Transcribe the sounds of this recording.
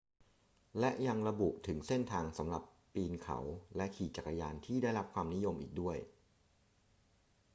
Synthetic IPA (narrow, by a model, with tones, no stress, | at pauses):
lɛ˦˥ʔja˧ŋɾa˧bu˨˩ʔt̪ʰɯ˩˦ŋse˥˩nt̪ʰaː˧ŋsa˩˦mɾa˨˩pːiː˧nkʰa̰˩˦wlɛ˦˥ʔkʰiː˨˩t͡ɕa˨˩kːa˧jaː˧nt̪ʰiː˥˩daː˥˩jɾa˦˥p̚kʰwaː˧mni˦˥jo˧mʔḭː˨˩k̚du˥˩əj